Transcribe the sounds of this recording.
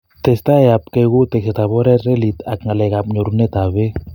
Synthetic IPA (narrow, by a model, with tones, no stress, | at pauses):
tɛ˨sta˦ap̚kɛ˧kʊ˦te˨kseta˨bɔ˦ɾɛ˦tre˦li˨ta˨kŋa˨lɛ˨kapɲo˨ɾunɛ˦ta˨βe˦